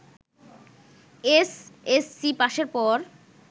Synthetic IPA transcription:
esesːipaʃeɾpɔɾ

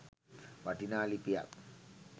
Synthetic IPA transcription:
ʋwaʈinaːlipija̰k

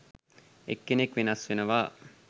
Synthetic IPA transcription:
ḛkːenekʋinasʋinɐʋaː

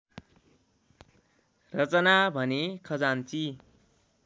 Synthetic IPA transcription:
rʌt͡sʌnabʱʌnekʰʌd͡zant͡si

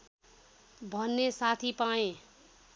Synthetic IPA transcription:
bʱʌnːesat̪ʰipaẽ

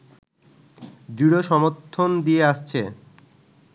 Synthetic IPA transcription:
d͡ʑɾiɽoʃɔmoɾt̪ʰːond̪ieaʃt͡ɕʰe

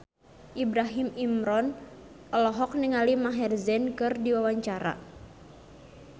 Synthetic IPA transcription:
ʔibɾaɦimimɾɔn | ʔɔlɔɦɔk̚niŋalimaɦɛrzɛnkɨrdiwawaɲt͡ʃaɾa̰

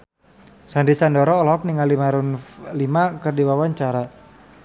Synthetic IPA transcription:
sandisandɔɾɔːlɔɔk̚niŋalimaɾʊnlimakərdiwawaɲt͡ʃaɾa

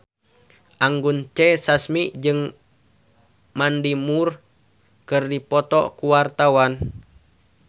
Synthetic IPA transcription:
ʔaŋɡunt͡ʃɛsasmiʔd͡ʒɨŋ | mandimur | kɨrdipɔt̪ɔkuwart̪awan

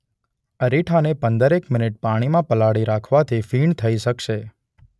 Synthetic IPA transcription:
əɾiʈʰanepənd̪əɾekmɪnɪʈ̚paɽ̃imãpəlaɽiɾakʰʋat̪ʰifiɳt̪ʰəiʃəkʃe

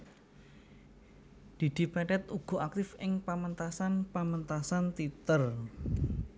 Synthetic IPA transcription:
d̪̥i̤d̪̥i̤pɛɖɛt̪̚uɡ̥o̤ak̚t̪ɪfɪŋpəmənt̪asanpamənt̪asant̪it̪ər

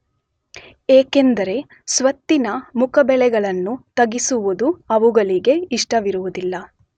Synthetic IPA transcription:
eːkend̪ɐɾe̞ | sʋɐt̪ːinɐmukʰɐbɛɭɛɡɐɭɐnːut̪ɐɡisuʋud̪uɐʋuɡɐɭiɡe̞iʂʈɐʋiɾuʋud̪ilːɐ

